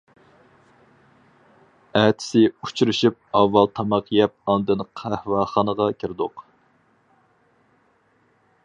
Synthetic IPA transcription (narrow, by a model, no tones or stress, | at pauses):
æt̪ʰɪ̥sɪut͡ʃuɾɨʃyp̚ɑvːɑlˠt̪ʰɑmɑqʰjɛp̚ɑnd̪ɨnqʰæhwɑːχɑnəʁɑkʲʰiɾɪd̪ʊq